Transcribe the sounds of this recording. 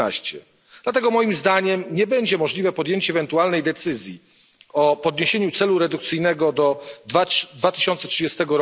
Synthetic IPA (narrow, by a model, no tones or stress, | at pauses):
aɕt͡ɕɛ | d̪̥lat̪ɛɡɔmɔjimzd̪aɲɛmɲɛbɛɲd͡ʑɛmɔʐlʲivɛpɔd̪jeɲt͡ɕɛvɛnt̪ualnɛjd̪ɛt̪sɘzʲji | ɔpɔd̪ɲeɕeɲut̪sɛluɾɛd̪ukt̪sɘjnɛɡɔd̪ɔ | d̪vat̪ɘ̥ɕɔnt̪sɛtʂɨd͡ʑɛst̪ɛɡɔɾ